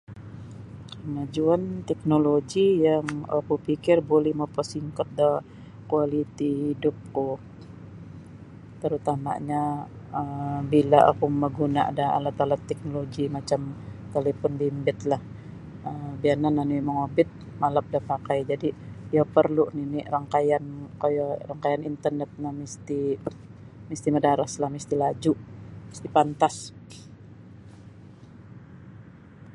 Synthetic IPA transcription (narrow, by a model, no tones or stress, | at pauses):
kəmad͡ʒuant̪ɛk̚noloɡijaŋa̰kupikɪrbolɛhmapəsiŋkɔt̪̚da | kualit̪ihidʊp̚ku | t̪əɾut̪ama̰ɲa | əbilaʔa̰kuməɡunaʔa̰daa̰lat̪alat̪ːɛk̚noloɡimat͡ʃamt̪elefɔnbimbɪt̪lah | əmbiananːaniməŋobɪt̪̚ | malap̚dapakajd͡ʒadijapərluniniraŋkajankajaraŋkajanint̪ərnɛt̪̚namist̪i | mist̪imədaɾaslahmist̪ilad͡ʒumist̪ipant̪as